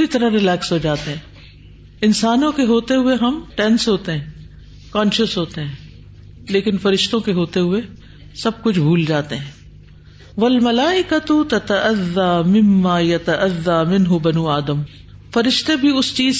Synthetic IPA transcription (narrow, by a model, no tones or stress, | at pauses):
ɾit̪ɐɾaɦɾɪlɛːksɦoːd͡ʒaːt̪eɦɛ̃ː | ɪnsaːnõkeɦoːt̪eɦʊeɦɐmʈɛ̃nsɦoːt̪eɦɛ̃ː | kãːnʃəsɦoːt̪eɦɛ̃ː | leːkɪnfɐɾɪʃt̪õkeɦoːt̪eɦʊe | sɐb̚kʊt͡ʃʰbʱuːld͡ʒaːt̪eɦɛ̃ː | ʋɐlmɐlaːɪkɐt̪ʊt̪ɐt̪ɐʔɐðːaːmɪmːaːjɐt̪ɐʔɐðːaːmɪ̃nɦʊbɐnuːaːd̪əm | fɐɾɪʃt̪ebʱiʊst͡ʃiːz